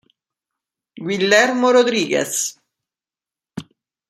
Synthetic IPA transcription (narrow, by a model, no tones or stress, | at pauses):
ɡwilːɛrmoɾod̪ɾiːɡḛs